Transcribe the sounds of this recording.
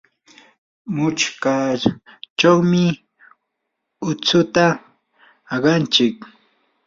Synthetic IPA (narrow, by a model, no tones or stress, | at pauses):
mʊt͡ʃka | t͡ʃawmɪ | ʊt͡sʊt̪aː | ɢɑnt͡ʃɪk̚